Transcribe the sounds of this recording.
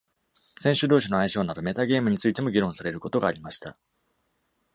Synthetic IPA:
sẽ̞ɕɨd̪o̞ːɕino̞aiɕo̞ːnad̪ɯme̞t̪aɡe̞ːmɯ̟ɲ̟it͡sɨit̪e̞mo̞ɡʲiɾõ̞ɰ̃saɾe̞ɾɯ̟ko̞t̪o̞ɡaːɾʲimaɕi̥t̪a̰

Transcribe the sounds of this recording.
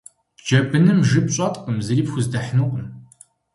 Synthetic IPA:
d͡ʒɐbɨnɨmʒɨpɕʼɐtʼqʼəmzɨɾiːpxʷʊzdɐħnɨqʷʼən

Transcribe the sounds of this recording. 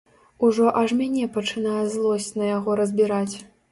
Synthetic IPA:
uʐɔʔɐʐmʲanʲɛpɐt͡ʂɨn̪ajɛzlˠɔsʲt͡sʲnɐjaɣɔɾɐzʲbʲiɾat͡sʲ

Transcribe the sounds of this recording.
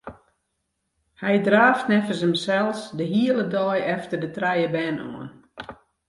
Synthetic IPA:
hɛjdraːftnɛfəsəmsɛlˠsdəɦiələdɔjɛftərdətrɛjəbɛːnṵən

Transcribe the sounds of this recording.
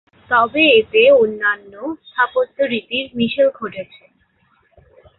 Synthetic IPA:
t̪ɔbeet̪eonːanːost̪ʰapot̪ːoɾit̪iɾmiʃelɡʱoʈet͡ɕʰe

